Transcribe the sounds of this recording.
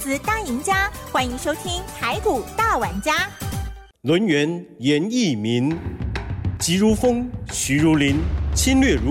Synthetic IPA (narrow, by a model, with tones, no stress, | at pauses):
t͡sɹ̩˨˩˦t̪a˥˩i˧˥ŋt͡ɕja˥xwa˥ni˧˥ŋʂo˥ʊt̪ʰi˥ŋt͡sʰa˧˥ɪku˨˩t̪a˥˩wa˨˩nt͡ɕja˥ | lwə˧˥nɥɛ˧˥n | jɛ˨˧˥ni˥˩mi˧˥n | t͡ɕi˧˥ɻu˧˥fɤ˥ŋɕy˧˥ɻu˧˥li˧˥nt͡ɕʰi˥nlɥɛ˥˩ɻu˧˥